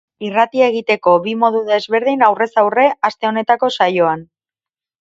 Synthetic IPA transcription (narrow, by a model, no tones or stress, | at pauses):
irat̪ieɣ̞it̪e̞ko̞βimo̞ðuðe̞zβe̞ɾð̞inawre̞sawre̞ʔast̪e̞o̞ne̞t̪ako̞sajo̞an